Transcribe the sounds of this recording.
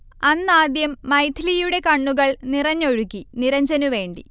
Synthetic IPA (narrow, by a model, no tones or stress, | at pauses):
ɐnːaːd̪jɐmːɐjt̪ʰilijuɽe̞kɐɳːuɣɐɭnirɐɲːoɻukʲːiniɾɐɲd͡ʑɐnuʋe̞ːɳɖi